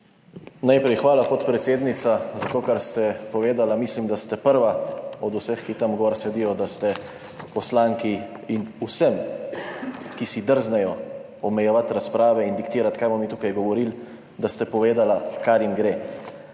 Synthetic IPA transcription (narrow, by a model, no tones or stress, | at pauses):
najpɾɛjxʋaːlapot̪pɾɛt̪seːd̪nit̪sazat̪oːkaɾst̪ɛpɔʋeːd̪alamiːslimd̪ast̪ɛpəɾʋaɔd̪usəxkit̪amɡɔɾsɛd̪ijɔd̪ast̪ɛ | pɔslaːŋki | inusəm | kisid̪əɾznɛjɔ | ɔmɛjɛʋat̪ɾaspɾaːʋɛind̪ikt̪iːɾat̪kajbɔmit̪uːkajɡɔʋɔɾil | d̪ast̪ɛpɔʋeːd̪alakaɾjimɡɾeː